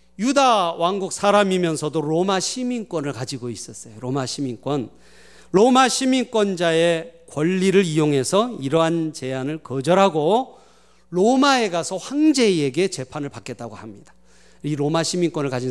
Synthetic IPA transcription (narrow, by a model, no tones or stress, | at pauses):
judawaŋɡuk̚s͈ʰaɾamimjʌnsʰʌdoɾomaɕʰimiŋk͈wʌnɯɭkad͡ʑiɡois͈ʌs͈ʌjoɾomaɕʰimiŋkwʌn | ɾomaɕʰimiŋk͈wʌnd͡ʑae̞kwʌʎːiɾɯɾijoŋɦe̞sʰʌiɾʌɦant͡ɕe̞anɯɭkʌd͡ʑʌɾɦaɡo | ɾomae̞ɡasʰʌɸwaŋd͡ʑe̞eɡe̞t͡ɕe̞pʰanɯɭpak͈e̞t̚t͈aɡohamɲid̥ḁ | iɾomaɕʰimiŋk͈wʌnɯɭkad͡ʑin